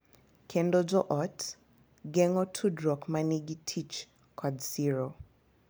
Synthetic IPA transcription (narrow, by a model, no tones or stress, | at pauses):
kʰendɔd͡ʒɔʔɔt | ɡɛŋɔtʰudɾɔkmaniɡitʰit͡ʃ | kʰɔdsiɾo